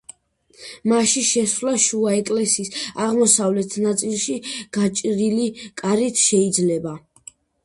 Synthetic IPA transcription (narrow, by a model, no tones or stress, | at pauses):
maʃiʃɛsvlaʃuaɛkʼlɛsiːsaʁmɔsavlɛt̪ʰnat̪sʼilˠʃiɡ̥at͡ʃʼɾilikʼaɾit̪ʰʃɛid̪zlɛba